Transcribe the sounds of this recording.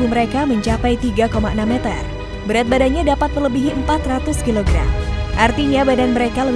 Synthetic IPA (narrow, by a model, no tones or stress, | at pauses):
uməɾekaməɲt͡ʃapajt̪iɡakomaənamːet̪ə̰r | bəɾat̪̚badanɲadapat̪̚mərləbiɦiəmpat̪rat̪ʊskiloɡɾa̰mʔart̪iɲabadanməɾekalə